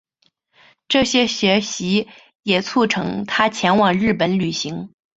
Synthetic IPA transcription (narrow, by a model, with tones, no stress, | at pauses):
ʈ͡ʂɤ˥˩ɕjɛ˥ɕɥɛ˧˥ɕi˧˥ | jɛ˨˩t͡sʰu˥˩ʈ͡ʂʰɤ̰˧˥ŋt̪ʰa˥t͡ɕʰjɛ˧˥nwɑ˨˩ŋɻɻ̩˥˩pə˨˧˥nly˨˩ɕi˧˥ŋ